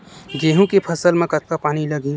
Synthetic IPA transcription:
ɡeːɦũkepʰɐsəlmẽkɐt̪kapaːñilɐɡi

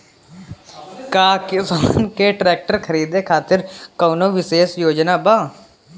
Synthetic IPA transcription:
kaːkɪsənkeʈɾɛːk̚ʈəɾkʰəɾiːd̪ekʰaːt̪ɪɾkoːnoʋɪseːsjoːd͡ʒnaːbaː

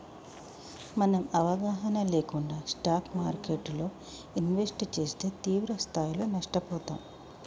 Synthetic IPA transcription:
mɐnɐmɐʋɐɡaːɦɐnɐle̞ːkuɳɖaːsʈaːkmaːɾkeʈlo̞ː | inʋesʈt͡ʃe̞ːst̪e̞ːt̪iːʋɾɐst̪ʰaːjilo̞ːnɐʂʈɐpɔːt̪aːm

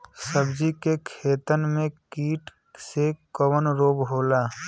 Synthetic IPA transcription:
səbd͡ʒikekʰeːt̪ənmẽkiːʈ | sekəwənɾoːbɦoːla

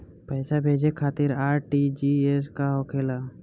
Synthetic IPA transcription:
pɛːsabʱeːd͡ʒekʰaːt̪ɪɾaːɾʈid͡ʒieskaɦokʰeːla

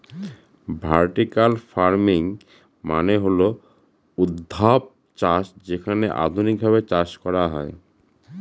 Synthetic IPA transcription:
bʱaɾʈikalfaɾmiŋ | maneɦolo | ud̪ʱːap̚ | t͡ɕaʃd͡ʑekʰaneʔa̰d̪ʱunik̚bʱabet͡ɕaʃkɔɾaɦɔ̰e

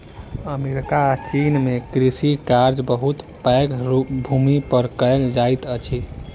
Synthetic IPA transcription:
əmeɾikaːt͡ʃinmekɾisikaɾd͡ʒbəɦut̪pəjkbʱumipəɾkəld͡ʒajt̪ət͡ʃʰi

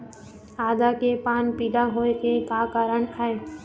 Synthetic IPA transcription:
aːd̪akepaːnpiːlaɦoekekaːkaːɾəɳɛe

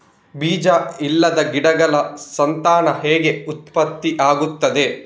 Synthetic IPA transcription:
biːd͡ʒɐilːɐd̪ɐɡiɽɐɡɐlɐsɐnt̪aːnɐɦeːɡe̞ut̪̚pɐt̪ːiʔaːɡut̪ːɐd̪e̞

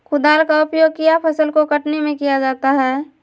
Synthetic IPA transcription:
kʊd̪aːlkaʊpjoːɡ̚kijapʰəsəlkokəʈnemẽkijad͡ʒaːt̪aɦɛː

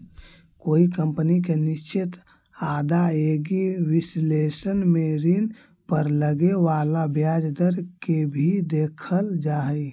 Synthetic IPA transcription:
koikəmpənik̬enist͡ʃit̪ | ad̪aeɡiwislesənmeɾin | pəɾləɡeʋalabjad͡ʒd̪əɾkebʱid̪ekʰəld͡ʒaɦəj

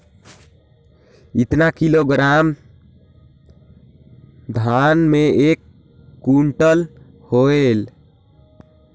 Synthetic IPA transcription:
it̪nakiloɡɾam | d̪ʱanmeekː | uɳʈəl | hoel

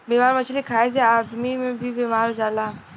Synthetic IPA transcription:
beːmaːɾmət͡ʃʰlikʰaːes̬eaːd̪mimẽbʱibeːmaːɾɦod͡ʒaːlaː

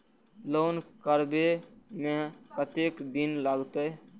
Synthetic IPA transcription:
lonkəɾbemẽkət̪ekd̪inlaɡt̪əj

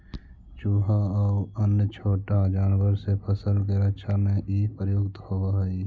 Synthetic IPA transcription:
t͡ʃuːɦaəʊənjət͡ʃʰoːʈad͡ʒaːnwəɾsepʰəsəlkeɾəkʃʰamẽʔipɾəjoɡt̪hobaɦɛi

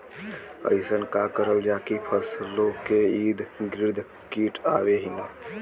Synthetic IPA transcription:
ə̰ɪsənkakəɾəld͡ʒakipʰəslokeid̪ɡɾiɾd̪ʱ | kiʈaβeɦin

